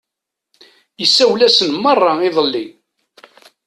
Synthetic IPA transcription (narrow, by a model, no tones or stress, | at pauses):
jəsːæwlæsənmərˤːɑiðˤəlːi